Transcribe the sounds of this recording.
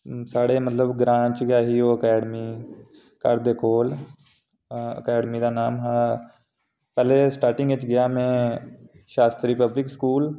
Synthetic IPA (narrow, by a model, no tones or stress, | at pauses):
saːɽeːmət̪ləbɡɾãːt͡ʃɡaːɦiːoːəkɛːɖmiː | kəɾd̪eːkoːl | ə̰kɛːɖmiːd̪aːnaːmɦãː | pɛːleːsʈaːɾʈɪ̃ŋɡɪt͡ʃɡɪjaːmɛ̃ː | ʃaːst̪ɾiːpəblɪkskuːl